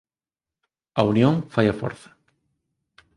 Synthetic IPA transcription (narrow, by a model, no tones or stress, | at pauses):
ɐunjõŋfajɐfo̰ɾθɐ̥